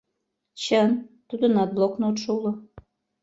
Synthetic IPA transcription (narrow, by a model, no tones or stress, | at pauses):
t͡ɕənt̪ud̪ənɑt̪̚blˠoknoot̪ʃoulo